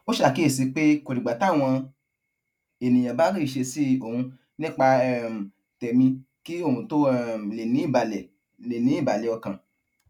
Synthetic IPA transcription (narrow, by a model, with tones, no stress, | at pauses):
o˦ʃa˨ki˦e˦˨si˧k͡pe˦ko˨ɾi˨ɡ͡ba˨ta˦˨w̃ɔ̃˧ | e˨nĩ˨j̃ã˨ba˨˦ɾi˦˨ʃe˧si˦o˨hũ˧ | nĩ˦k͡pa˧ɛ˦˨m̩˨ | tɛ˨mĩ˧ | ki˦o˦˨hũ˨to˦ɛ˦˨m̩˨le˨nĩ˨˦i˦˨ba˨lɛ˨ | le˨nĩ˨˦i˦˨ba˨lɛ˨ɔ˧kã˨